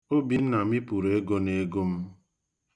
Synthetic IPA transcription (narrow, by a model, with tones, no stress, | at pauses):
o˦bi˦n̩˦na˨mi˦pu˨ɾe˦ɡo˦ne˦ɡo˦m̩˦